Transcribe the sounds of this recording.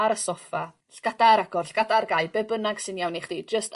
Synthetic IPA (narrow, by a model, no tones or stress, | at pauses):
aɾəsɔfa | ɬɡ̥adaɾaɡɔrɬɡ̥adarɡaɨbɛbənaɡ̥sɪnjawniχd̥id͡ʒəst